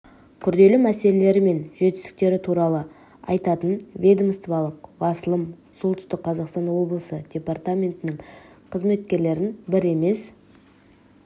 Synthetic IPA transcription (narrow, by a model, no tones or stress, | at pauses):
kʲʰʏɾd̪e̞lɪmæse̞le̞le̞ɾɪme̞nʒe̞t̪ɪst̪ɪ̥k̚t̪e̞ɾɪt̪ʰuɾɑlˠə | ɑjt̪ɑt̪ənvʲe̞d̪omst̪vɑlˠəqbɑsəlˠəmsolˠt̪ʏst̪ɪqqʰːɑzɑqst̪ɑnwo̞blˠəsəd̥ʲe̞part̪amʲe̞nt̪ɪnɪŋ | qʰəzme̞t̪kʲe̞ɾle̞ɾɪnbɪɾe̞me̞s